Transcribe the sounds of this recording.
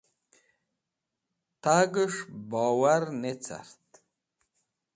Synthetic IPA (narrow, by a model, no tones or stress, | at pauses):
t̪ʰaɡəʂbɔːwaɾnet͡sʰa̰ɾt̪